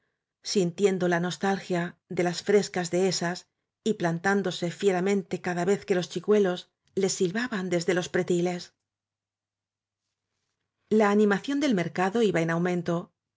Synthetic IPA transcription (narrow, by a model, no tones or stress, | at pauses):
sint̪je̞nd̪o̞lano̞st̪alxjaðe̞lasfɾe̞skazðe̞e̞sas | iplant̪and̪o̞se̞fje̞ɾamẽ̞nt̪e̞kaðaβe̞θke̞lo̞st͡ʃikwe̞lo̞s | le̞sːilβaβand̪e̞zðe̞lo̞spɾe̞t̪ile̞s | laːnĩmaθjo̞nd̪e̞lme̞ɾkaðo̞iβaenawmẽ̞nt̪o̞